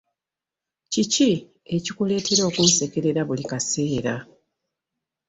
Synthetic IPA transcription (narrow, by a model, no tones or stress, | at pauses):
cici | e̞cikule̞ːtʰe̞ɾo̞ːkunse̞ke̞ɾe̞ɾaβulikase̞ːɾa